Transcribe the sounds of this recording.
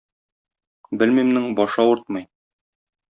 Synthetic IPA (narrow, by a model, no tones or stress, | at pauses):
bɘlmimnɘŋbɒʃɑuɾt̪̚mɤ̆j